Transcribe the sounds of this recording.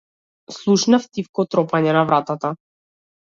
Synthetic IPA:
slˠuʃnaft̪ifkɔt̪ɾɔpaɲɛnavɾat̪at̪a

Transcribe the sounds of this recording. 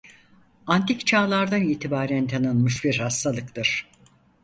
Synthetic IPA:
ant̪ʰikt͡ʃʰaːlˠaɾd̪aniːt̪ʰibaːɾænt̪ʰanɯnmɯʃbiɾhast̪ʰalˠɯkt̪ʰɯɾ̥

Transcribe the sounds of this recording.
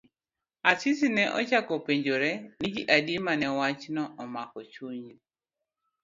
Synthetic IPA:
asisinɛʔɔ̰t͡ʃakɔpeɲd͡ʒoɾɛnid͡ʒiʔadiemanɛwat͡ʃnɔʔɔmakɔt͡ʃuɲd͡ʒi

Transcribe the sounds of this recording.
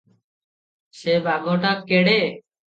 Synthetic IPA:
seːbʱaːŋoːʈaːp̚keːɽeː

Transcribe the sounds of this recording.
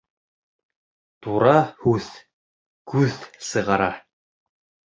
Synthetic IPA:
t̪uɾɑhʉð | kʉðsɤ̆ʁɑɾɑ

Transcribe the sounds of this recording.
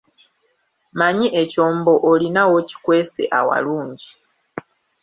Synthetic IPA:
maɲiʔeco̞ːmbo̞ʔolinawoci̥kwe̞ːsḛʔawa̰luːɲɟi

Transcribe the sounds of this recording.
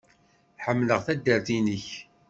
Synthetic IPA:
ħəmːləʁθæd̪ːəɾθinəç

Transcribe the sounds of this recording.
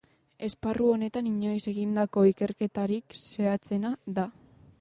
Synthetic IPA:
e̞sparuo̞ne̞t̪aniɲo̞jse̞ɣind̪ako̞ike̞ɾke̞t̪aɾikse̞at͡se̞naða

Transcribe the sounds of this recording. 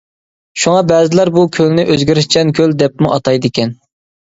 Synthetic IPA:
ʃuŋɑbɛːzɪlæɾbukʲʰølnɪʔøzɡʲiɾɪʃt͡ʃʰɛnkʲʰøld̪ɛp̚muʔɑt̪ʰɑjd̪ɪkʲʰɛn

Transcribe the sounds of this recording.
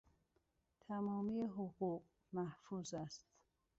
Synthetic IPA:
t̪ʰæmɒːmijeɦoɣuːɢ | mæhfuːzæst̪

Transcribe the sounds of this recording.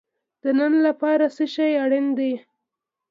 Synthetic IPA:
d̪̥ənənlapɑɾasəʃajaɽɪnd̪e

